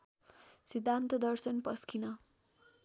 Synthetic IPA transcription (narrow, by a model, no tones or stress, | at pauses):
sid̪ʱːant̪ʌd̪ʌrsʌnpʌskʰinʌ